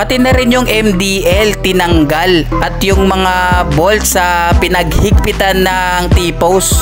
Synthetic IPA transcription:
pɐt̪ɪnɐɾɪnjʊŋʔɛmd̪iʔɛlt̪ɪnɐŋɡalʔɐt̪jʊŋmɐŋabolt̪sɐpɪnɐɡhɪɡ̚pɪt̪ɐnːɐ | ŋt̪ipows

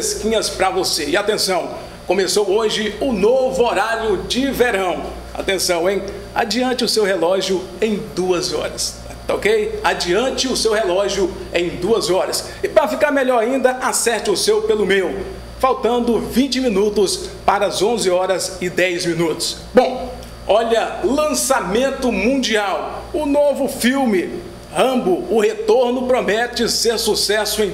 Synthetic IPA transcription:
eskĩɲɐspɾɐvoseɪat̪ẽsɐ̃w̃ | kõmesowoʒɪʊnovʊoɾaɾjʊd͡ʒɪveɾɐ̃w̃ | a̰t̪ẽsɐ̃w̃ẽj̃ | a̰d͡ʒiɐ̃nt͡ʃɪʊsewɦelɔʒjʊ | ẽj̃d̪uɐzɔ̰ɾɐs | o̰kejad͡ʒiɐ̃nt͡ʃɪʊsewhelɔʒjʊẽj̃d̪uɐzɔɾɐs | ɪpɾɐfikaɾmeʎɔɾaĩnd̪ɐʔasɛɾt͡ʃ̪ɪʊsewpelʊmew | fawt̪ɐ̃nd̪ʊvĩt͡ʃɪmĩnut̪ʊspaɾɐzõzɪɔɾɐzɪd̪ɛjzmĩnut̪ʊ̥s | bõ | ɔʎɐlɐ̃samẽnt̪ʊmũd͡ʒiawʊnovʊfiwmɪ | ɐ̃bʊʊhet̪oɾnʊpɾomɛt͡ʃɪseɾsusɛsʊẽj̃

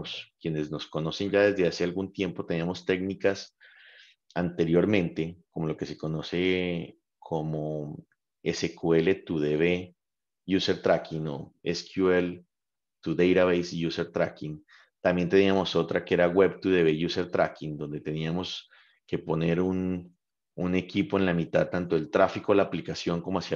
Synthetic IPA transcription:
skje̞ne̞zno̞sko̞no̞se̞nd͡ʒaðe̞zðe̞asealɡunt̪je̞mpo̞t̪e̞niamo̞st̪e̞ɡnikas | ant̪e̞ɾjo̞ɾmẽ̞nt̪e̞ko̞molo̞ke̞se̞ko̞no̞se̞ | kʰo̞mo | esekue̞le̞t̪uðeβe | ʝuseɾt̪ɾakino̞̰eskʰjuel | t̪uðejɾaβejsʝuseɾt̪ɾa̰kin | t̪ambje̞nt̪e̞niamo̞so̞t̪ɾakeeɾaɣwe̞βt̪uðe̞βeʝuseɾt̪ɾakind̪o̞nd̪e̞t̪e̞niamo̞s | ke̞po̞ne̞ɾun | une̞kipo̞enlamit̪aðt̪ant̪o̞elt̪ɾafikolaːplikasjo̞ŋko̞moasja

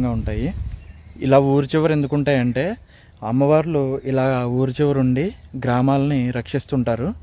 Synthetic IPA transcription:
ŋɡaːuɳʈaːji | ilaːuːɾit͡ʃɛʋɐɾe̞nd̪ukuɳʈaːjɐɳʈe̞ː | ɐmːɐʋaːɾluilaːɡaːuːɾit͡ʃɛʋɐɾuɳɖiɡɾaːmaːlɐniɾɐkʂist̪uɳʈaːɾu

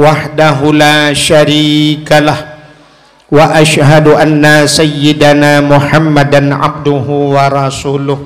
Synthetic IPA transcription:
waħd̪aɦʊlaːʃaɾiːkalah | waʔaʃhadʔanːasajːɪd̪anaːmʊħamːadanʕa̰b̚d̪ʊɦʊwaɾˤɑsuːlʊh

